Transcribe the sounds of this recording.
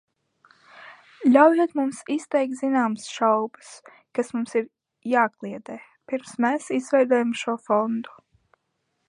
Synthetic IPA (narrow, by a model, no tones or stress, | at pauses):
lʲawjɛːt̪mumsist̪ɛjk̚t̪zinaːmsʃawbɨs | kasmumsiɾ | jaːklˠiɛd̪ɛː | piɾmsmɛsizvɛjd̪uɔjamʃuɔfɔnd̪u̥